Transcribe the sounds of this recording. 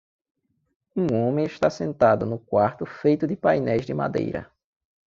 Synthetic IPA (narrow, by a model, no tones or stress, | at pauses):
ũõmẽɪʃt̪asẽnt̪ad̪ʊnʊkwaɾt̪ʊfejt̪ʊd̪ɪpajnɛjzd̪ɪma̰d̪ḛjɾɐ̰